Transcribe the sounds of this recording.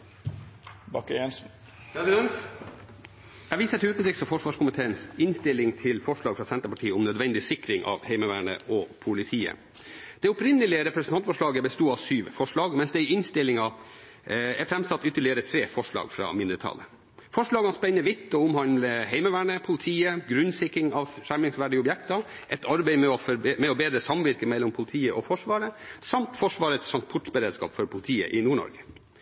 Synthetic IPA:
bɑkːəjɛnsn̩ | pʰɾɛsɪd̪ɛnt̪ | æʋiːsət̪ʰʉːt̪nd̪ɾɪksɔfɔʂʋɑːʂkʊmɪt̪ʰeːənsɪnst̪ɪlɪŋt̪ʰɪlfɔʂɭɑːɡfɾɑːsɛnt̪əpɑʈʰiːəʊmnœd̪ʋɛnd̪ɪsɪkɾɪŋʔɑ̰ʋhɛɪməʋæːɳə̰ʔɔpʰʊlɪt̪ʰiːə̰ | d̪̥ɛʊpɾɪnːəlɪəɾɛpɾɛsnʰɑnt̪fɔʂɭɑːɡəbəst̪uːɑʋsyːʋfɔʂɭɑːɡmɛnsd̪ɛɪɪnst̪ɪlɪŋɑ | ɛɾfɾɛmsɑt̪ːʏt̪ːəɭɪəɾət̪ʰɾeːfɔʂɭɑ̰ːɡfɾɑ̰ːmɪnd̪əɾət̪ʰɑ̰lːə | fɔʂɭɑːɡɑnspɛnːəʋɪt̪ʰːɔʊmhɑnmləɦɛɪməʋæːɳəpʰʊlɪt̪ʰiːəɡɾʉnsɪkɪŋɑʋʂæmɪŋsʋæːɖɪəʊbjɛkt̪ɑ | ʔɛt̪ʰɑɾbɛɪmɛɔfmɛɔbeːd̪ɾəsɑmʋɪɾkəmɛlːɔmpʰʊlɪt̪ʰiːəʔɔfɔʂʋɑːɾəsɑmt̪fɔʂʋɑːɾət̪sɑnspʰʊʈbəɾeːd̪skɑ̰ːpfɔɾpʰʊlɪt̪ʰiːə̰ʔɪnuːɳɔ̰ɾɡə

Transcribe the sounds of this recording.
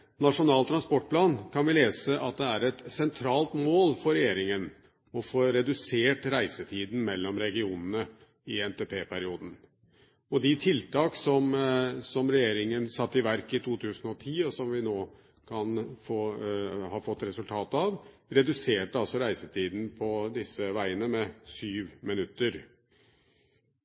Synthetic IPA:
nɑʂʊnɑːlt̪ɾɑnspɔʈ̚ːpʰlɑːnkʰɑnʋɪleːsəʔɑt̪̚d̪ɛæɾɛt̪sɛnt̪ʰɾɑːlt̪moːlfɔɾɛjeːɾɪŋən | ɔfoːɾɛd̪ʉseːʈɾæɪsət̪ʰiːd̪n̩mɛlːɔmɾɛɡɪuːnənə | ɪɛnt̪eːpʰeːpʰæɾɪuːd̪n̩ | ɔd̪ɪt̪ʰɪlt̪ɑːksɔmsɔmɾɛjeːɾɪŋənsɑt̪ːɪʋæɾkɪt̪ʰuːt̪ʰʉːsən̩ɔt̪ʰiːɔsɔmʋɪnoː | kʰɑnfoːhɑːɾfɔt̪ːɾɛsʉlt̪ʰɑːt̪ɑʋɾɛd̪ʉseːʈəɑlsɔɾæɪsət̪ʰiːd̪n̩pʰɔd̪ɪsːəʋæɪənəmɛsyːʋmɪnʉt̪ːəɾ

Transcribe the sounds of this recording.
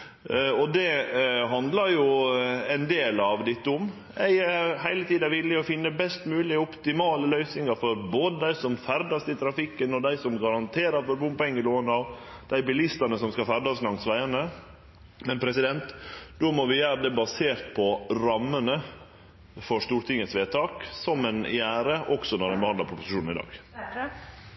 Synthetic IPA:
ɔd̪ɛɦɑnd̪ləɾjʊɛɪnd̪eːlɑʋd̪ɪt̪ːʊm | æɪæɾhæɪlət̪ʰiːd̪ɑʋɪlːɪɔfɪnːəbɛst̪mʉːlɪɔpt̪ɪmɑːləlœʏsnɪŋəɾfɔɾboːd̪əd̪æɪsɔmfæɾd̪ɑsɪt̪ʰɾɑfɪkːənɔd̪æɪsɔmɡɑɾɑnt̪ʰeːɾəɾfɔɾbʊmpɔɛŋːəloːənəɑʋ | d̪̥æɪbɪlɪst̪ənəsɔmskɑfæɾd̪ɑslɑŋt̪sʋæɪənə | mɛnpʰɾɛsɪd̪ɛnt̪d̪oːmɔʋɪjæːɾəd̪ɛbɑseːɾt̪̚pʰɔɾɑmːənə | fɔʂt̪uːɾt̪ʰɪŋːət̪sʋeːt̪ʰɑːksɔmɛnjæːɾəʔɔksɔnɔɾd̪ɛnbəhɑnd̪lɑɾpʰɾʊpʊ̥sɪʃuːnn̩ɪd̪ɑ̰ːɡ̥

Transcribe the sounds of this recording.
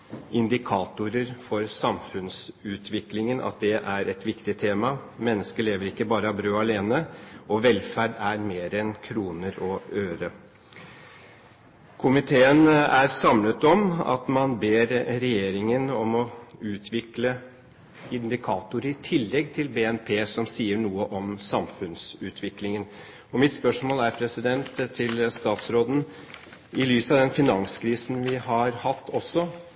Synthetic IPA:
ɪnd̪ɪkʰɑːt̪ʊɾəɾfɔɾsɑmfʉnsʉːt̪ʰʋɪklɪŋənʔɑ̰t̪̚d̪ɛʔæɾɛt̪ʋɪkt̪ɪt̪ʰeːmɑmɛnːəskəɭeːʋəɾɪkːəbɑːɾəɑbɾøːɑleːnəɔʋɛlfæɖæɾmeːɾɛnkʰɾuːnəɾɔøːɾə | kʰʊmɪt̪ʰeːənæɾsɑmlət̪ɔmɑ̰t̪mɑnbeːɾɾɛjeːɾɪŋənɔmɔʉːt̪ʰʋɪklə | ɪnd̪ɪkʰɑːt̪ʊɾəɪt̪ʰɪlːɛɡt̪ʰɪlbeɛnpʰeːsɔmsiːəɳuːəʔɔmsɑmfʉnsʉːt̪ʰʋɪklɪŋən | ɔmɪt̪spœʂmoːlæɾpʰɾɛsɪd̪ɛnt̪ʰːɪlst̪ɑːt̪sɾoːd̪n̩ | ɪlyːsɑʋd̪ɛnfɪnɑŋskʰɾiːsn̩ʋɪhɑɾhɑt̪ːɔsːɔ

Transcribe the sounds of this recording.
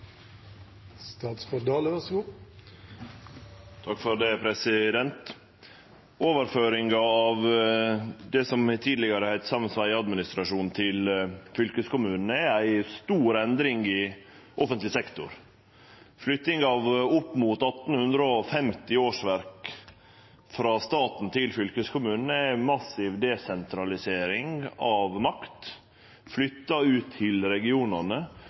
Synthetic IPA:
st̪ɑːt̪sfɔd̪ɑːləʋæsɡu | t̪ʰɑkfɔɾd̪ɛpʰɾɛsɪd̪ɛnt̪ | oːʋəɾføːɾɪŋɡɑɑʋ | d̪ɛsɔmt̪ʰiːd̪lɪɡəɾəhæɪt̪sɑmənsʋæɪɑd̪mɪnɪst̪ɾɑʂuːnt̪ʰɪlfʏlkəskʊmʉːnn̩ɛæɪst̪uːɾɛnd̪ɾɪŋɪ | ʔɔfənt̪lɪsɛkt̪ʊ̰ɾ | flʏt̪ːɪŋɑʋʊpːmʊt̪ɑt̪ːn̩hʉnd̪ɾəɔfɛmt̪ɪoːʂʋæɾk | fɾɑst̪ɑːt̪n̩t̪ʰɪlfʏlkəskʰʊmʉːnnæmɑsɪʋd̪ɛsɛnt̪ʰɾɑlɪseːɾɪŋɑʋmɑkt̪ | flʏt̪ːɑʉːt̪ʰːɪlɾɛɡɪuːnɑnə

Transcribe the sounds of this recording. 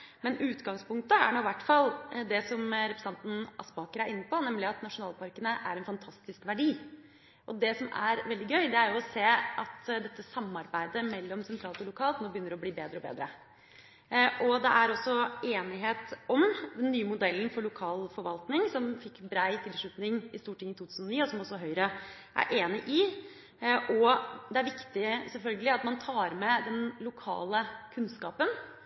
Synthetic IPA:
mɛnʉːt̪ɡɑŋspʊŋk̚t̪əæ̰ɳuʋæʈːfɑld̪ɛsɔmɾɛpɾəsɑnt̪n̩ɑ̰spɑːkəɾæɾɪnːəpʰɔnɛmlɪɑt̪nɑʂʊnɑːlpʰɑɾkənəʔæ̰ɾɛnfɑnt̪ʰɑst̪ɪskʋæɖiː | ʔɔd̪ɛsɔmæ̰ɾʋɛld̪ɪɡœʏd̪ɛæɾjʊɔseːɑt̪d̪ɛt̪ːəsɑmːɑɾbæɪd̪əmɛlːɔmsɛnt̪ʰɾɑːlt̪ɪlʊkʰɑːlt̪noːbəjʏnːəɾɔbliːbeːd̪ɾəɔbḛːd̪ɾə̰ | ʔɔd̪ɛʔæɾɔsːɔeːnɪɦeːt̪ɔmd̪ɛnːyːəmʊd̪ɛlːən̩fɔɭʊkʰɑːlfɔɾʋɑlt̪nɪŋsɔmfɪkːbɾæɪt̪ʰɪlʂɭʉt̪nɪŋɪst̪uːʈʰɪŋːɪt̪ʰuːt̪ʰʉːsnɔniːɔsɔmɔsːɔɦœʏɾə | ʔæ̰ɾʔeːnɪʔɪ | ʔɔd̪ɛæɾʋɪkt̪ɪsɛlfœlɡəlɪɑt̪mɑnt̪ʰɑːɾmɛd̪ɛnlʊkʰɑ̰ːləkʰʉnskɑːpən

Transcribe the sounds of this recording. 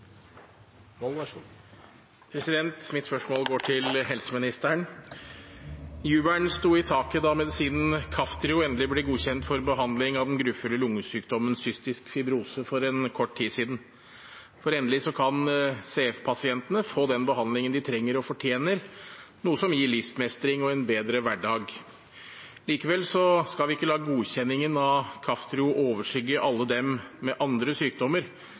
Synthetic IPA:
pʰɾɛsɪd̪ɛnt̪mɪt̪spœʂmoːlɡoːʈʰɪlɦɛlsəmɪnɪst̪æɳ | jʉːbæɳst̪uːɪt̪ʰɑːkəd̪ɑmɛd̪ɪsiːnənkʰɑft̪ʰɾɪʊɛːnd̪əlɪblɛɡuːçɛnt̪fɔɾbəɦɑnd̪lɪŋɑʋd̪ɛnɡɾʉːfʉlːəlʊŋːəsyːkd̪ɔmənsʏst̪ɪskfɪbɾuːsəfɔɾɛnkʰɔʈːt̪ʰiːsiːd̪ən̩ | fɔɾɛːnəlɪsɔkʰɑnseːɛfpʰɑsɪɛnt̪ənəfoːd̪ɛnbəɦɑnd̪lɪŋənd̪ɪt̪ʰɾɛŋːəɾɔfɔʈʰjeːnəɾnuːəsɔmjiːɭɪfsmɛst̪ɾɪŋɔɛnbeːd̪ɾəʋæɖːɑːɡ | liːkəʋɛlːsɔskɑlʋɪɪkːəlɑːɡəɡuːçɛnːɪŋənɑʋkʰɑft̪ɾɪʊʔoːʋəʂʏɡːəʔɑlːəd̪ɛmːɛʔɑnd̪ɾəsyːk̚d̪ɔmːəɾ

